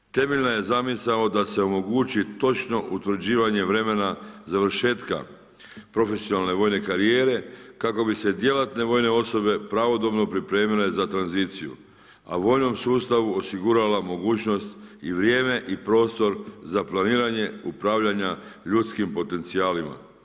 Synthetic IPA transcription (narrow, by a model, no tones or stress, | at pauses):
t̪e̞meʎnaje̞zamisalo̞d̪ase̞o̞mo̞ɡuːt͡ɕit̪o̞t͡ʃno̞ʔut̪ʋɾd͡ʑiːʋaɲe̞ʋɾe̞me̞nazaʋɾ̩ʃe̞ːt̪ka̰ | pɾo̞fe̞sijo̞nalne̞ʋo̞ːjne̞kaɾie̞ːɾe̞kako̞bise̞d̪je̞lat̪ne̞ʋo̞ːjne̞o̞so̞be̞pɾaʋo̞d̪o̞bno̞pɾipɾe̞ːmile̞zat̪ɾanzit̪sijṵ | a̰ʋo̞ːjno̞msuːst̪aʋuosiɡuɾalamo̞ɡuːt͡ʃno̞st̪iʋɾje̞ːme̞ʔipɾo̞ːst̪o̞ɾzaplˠaniːɾaɲe̞upɾaːʋʎaɲaʎut̪skimpo̞t̪e̞nt̪siaːlima̰